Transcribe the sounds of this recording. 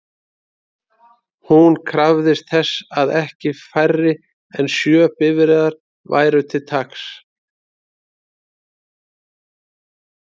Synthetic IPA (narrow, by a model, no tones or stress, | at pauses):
hunkʰɾavðɪst̪̚θɛsːaðɛhcɪfajrːɪ | ɛnsjœːpɪvɪɾɛːðaɾ̥ | va̰ːjɾʏt̪ʰɪlt̪ʰaks